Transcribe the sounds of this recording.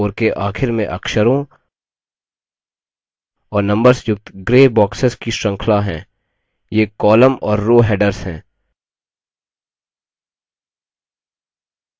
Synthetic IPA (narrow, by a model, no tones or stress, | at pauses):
oːɾkeʔaːxʰɪɾmẽʔɐ̰kʃəɾõ | ɔːɾnɐ̃mbəɾsjʊk̚t̪ɡɾeːbɔːksəskiʃə̃ŋkʰlaɦɛ̰̃ː | jeːkɔːləmɔːɾːoːɦɛːɖəɾsɦɛ̰̃ː